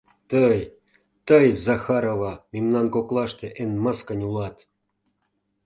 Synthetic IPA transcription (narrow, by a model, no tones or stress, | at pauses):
t̪əj | t̪ɤjzɑxɑɾovɑmʲimnɑnkoklˠɑʂt̪ĕʔenməskə̆nʲulˠɑt̪